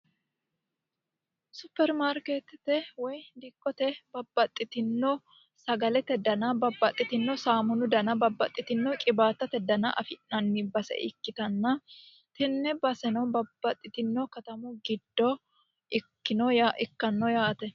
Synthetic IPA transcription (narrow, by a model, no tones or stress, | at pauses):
sʊpːɛɾmaːɾkeːt̪t̪ɛwɔjd̪ɪkʼːɔt̪ɛbɐbːɐt̪ʼːɪt̪ɪnːɔ | sɐɡɐlɛt̪ɛd̪ɐnɐbɐbːɐt̪ʼːɪt̪ɪnːɔsaːmʊnʊd̪ɐnɐbɐbːɐt̪ʼːɪt̪ɪnːɔkʼɪbaːt̪ːɐt̪ɛd̪ɐnɐʔɐ̰fɪʔnɐnːɪbɐsɛ̰ʔɪ̰kːɪt̪ɐnːɐ | t̪ɪnːɛbɐsɛnɐwbɐbːɐt̪ʼːɪt̪ɪnːɔkɐt̪ɐmʊɡɪd̪ːɔ | ɪkːɪnɔjaʔɪkːɐnːɔjaːt̪ɛ